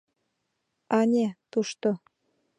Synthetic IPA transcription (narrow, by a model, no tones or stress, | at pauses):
ɑnʲet̪uʃt̪o